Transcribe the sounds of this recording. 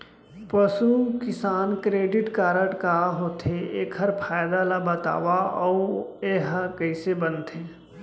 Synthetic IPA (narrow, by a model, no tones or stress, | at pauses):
pəsukɪsaːnkɾeːɖɪʈkaːɾəʈkaɦoːt̪ʰeḛːkʰɦɐɾpʰaːjd̪alabət̪a̰ːʋaɔeːɦkəɪsebənt̪ʰeː